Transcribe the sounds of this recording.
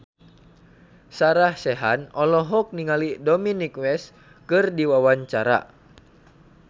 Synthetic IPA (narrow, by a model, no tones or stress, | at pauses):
saɾahsɛɦa̰nɔlɔɦɔk̚niŋalidɔminikwɛs | kɨrdiwawaɲt͡ʃaɾa̰